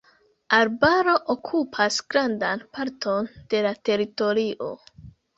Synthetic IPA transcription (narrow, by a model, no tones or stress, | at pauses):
aɾbaɾo̞ʔokʰupʰasɡ̥ɾandanpaɾtʰo̞nd̥e̞late̞ɾito̞ɾiʔo̞̰